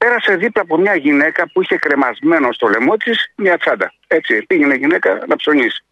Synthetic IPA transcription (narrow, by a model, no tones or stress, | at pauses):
pe̞ɾɐse̞ðiplɐːpo̞mɲɐʝine̞kɐpuiçe̞kɾe̞mɐzme̞no̞st̪o̞le̞mo̞t̪ismɲɐt͡sɐd̪ɐ | e̞t͡sipiʝene̞ʝine̞kɐnɐpso̞ɲisi̥